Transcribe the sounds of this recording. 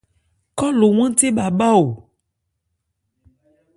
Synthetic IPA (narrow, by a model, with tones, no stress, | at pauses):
kɔ˦lo˨w̃ɛ̃˦t̪e˦ba˨ba˦o˨